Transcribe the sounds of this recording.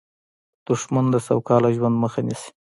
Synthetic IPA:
d̪̥ʊʂmand̪əsawkɑlaʒwand̪məxanisi̥

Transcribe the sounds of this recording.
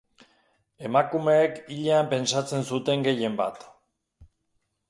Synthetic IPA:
e̞makume̞ːkiʎeampe̞nsat͡se̞nsut̪e̞ŋɡe̞je̞mba̰t̪

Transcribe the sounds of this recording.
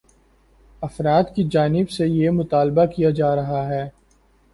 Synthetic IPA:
ɐfɾaːd̪kid͡ʒaːnɪbsejemʊt̪aːlbakijad͡ʒaːɾɐɦaɦɛː

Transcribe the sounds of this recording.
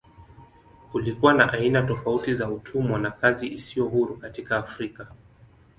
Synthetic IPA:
kulikuwanaʔainatɔfautizautʰumwɔnakaziʔisijɔɦuɾukatikaːfɾika

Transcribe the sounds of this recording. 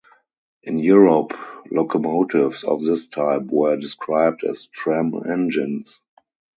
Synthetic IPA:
ʔɪ̃njuɹɔplokʰɔmoʊtʰɪfsɔ̰fðɪstʰaɪpwɜ˞dɪskʰɹaɪb̚dɛ̰stʰɹæ̃mɛ̰̃nd͡ʒɪ̃ns

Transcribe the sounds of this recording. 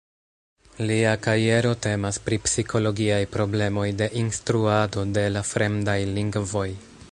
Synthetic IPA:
liakaɾie̞ɾo̞te̞maspɾipsikʰo̞lo̞ɡiajpɾo̞ble̞mo̞jde̞ʔinstɾuado̞de̞lafɾe̞mdajliŋɡvo̞j

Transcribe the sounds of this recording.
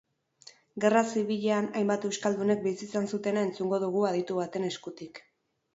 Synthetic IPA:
ɡe̞rasiβiʎeanajmbat̪e̞wskald̪une̞k̚bisiːsansut̪e̞nae̞nt͡suŋɡo̞ðuɣ̞uað̞it̪uβ̞at̪e̞neskut̪ik

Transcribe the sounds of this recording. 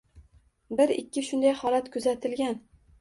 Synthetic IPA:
bɪɾɪkʲːɪʃʊnd̪ajhɒlat̪kʰɵzat̪ʰɪlɡʲan

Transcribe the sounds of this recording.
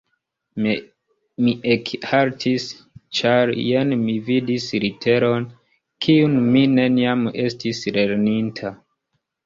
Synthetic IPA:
m | miʔekhaɾtʰis | t͡ʃaɾjenmividisɾitʰe̞ɾo̞n | kʰiunmine̞niame̞stisle̞ɾnintʰa

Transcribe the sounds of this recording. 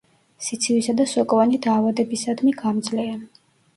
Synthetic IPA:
sit̪sʰivisad̪asɔkʼɔvanid̪aːvad̪ɛbisad̪miɡamd̪zlɛa

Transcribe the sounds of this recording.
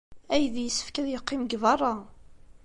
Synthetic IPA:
æjðjəsːə̥fkæðjəqːɪmɡvɑrˤːɑ

